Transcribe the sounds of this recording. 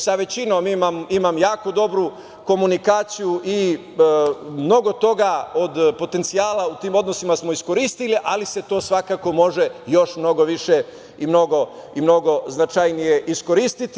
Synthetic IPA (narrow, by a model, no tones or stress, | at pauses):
saʋe̞t͡ɕinomimamimamjaːko̞d̪o̞bɾu | ko̞munikaːt̪sijuʔi | mno̞ɡo̞t̪o̞ɡaod̪po̞t̪e̞nt̪sijaːlaut̪iːmo̞d̪no̞simasmo̞isko̞ɾiːst̪iliʔalise̞t̪o̞ːsʋakako̞mo̞ʒejo̞ʃmno̞ɡo̞ʋiʃe | imno̞ɡo̞imno̞ɡo̞znat͡ʃajnije̞ʔisko̞ɾiːst̪it̪